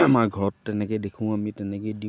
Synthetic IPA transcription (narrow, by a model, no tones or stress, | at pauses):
amaɹɡʱɔɹɔtːɛnɛkɔjdekʰʊ̃amitɛnɛkɔjdi